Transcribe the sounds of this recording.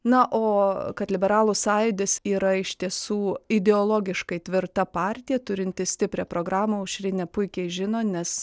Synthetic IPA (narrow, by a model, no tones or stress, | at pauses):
nɐʔoːkɐt̪lʲɪbʲɛɾɑːlˠʊsɑːjɪd̪ʲɪsiːɾɐɪʃʲt̪ʲiɛsuːɪd̪ʲɛoːlˠoːɡʲɪʃkɐɪt̪ʲʋʲɪrt̪ɐpɑːɾʲt̪ʲɪjɛt̪ʊɾʲɪnʲt̪ʲɪsʲt̪ʲɪpʲɾʲɛːpɾoːɡɾɑːmɐʊʃʲɾʲɪnʲɛpʊɪkʲɛɪʒʲɪnoːnʲɛs